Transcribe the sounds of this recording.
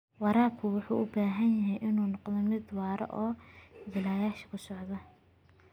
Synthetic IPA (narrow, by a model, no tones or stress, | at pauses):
wɑɾaːkʰʊwʊħuːʔʊbaːɦɐnjɐɦɛjʔɪnuːnɔqd̪ɔmɪd̪wɑːɾɐ̰ʔɔːjɪlaːjaːʃɪ̥kʰʊsɔʕd̪ɐ